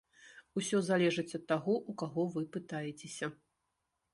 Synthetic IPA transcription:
usʲɔzalʲɛʐɨt͡sʲɐt̪ːaɣɔʔukaɣɔvɨpɨt̪ajɛt͡sʲesʲɐ

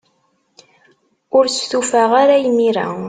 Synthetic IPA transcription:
ʊɾsθufaʁaɾajmiɾa̰

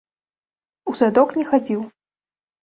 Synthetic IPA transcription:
uzad̪ɔknʲɛxad͡zʲiw

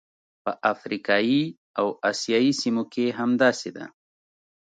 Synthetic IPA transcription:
pəʔafɾikɑi | awasjɑisimokeɦamd̪ɑsed̪a̰

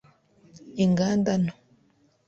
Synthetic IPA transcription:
iŋɡaːndano̥

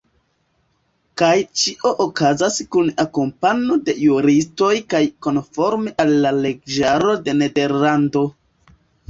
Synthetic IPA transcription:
kajt͡ʃiʔo̞ʔokazaskunakompanode̞juɾisto̞jkajko̞nfo̞ɾmeʔalːale̞ɡ̚d͡ʒaɾo̞de̞ne̞de̞ɾlando̞

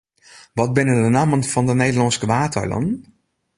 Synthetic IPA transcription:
ʋɑt̚bɪnədənaːmənfɑndənejdəlɑnskəʋaːtə̰ɹlə̰n

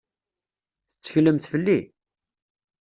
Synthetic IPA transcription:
θət͡sːə̥çləmt̪fəlːi

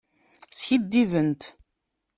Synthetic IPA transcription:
sçid̪ːivənt̪

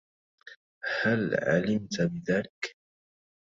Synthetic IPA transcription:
halʕa̰lɪmt̪bɪðaːlɪk

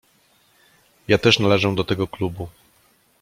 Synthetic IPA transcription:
jat̪ɛʂnalɛʐɛd̪ɔt̪ɛɡɔklubu

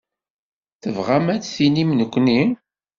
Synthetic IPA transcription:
θəvʁamæt͡sθinimnəkʷːni

